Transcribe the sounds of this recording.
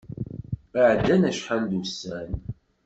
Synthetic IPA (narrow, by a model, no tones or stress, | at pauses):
əʕd̪ːænæʃħald̪usːæn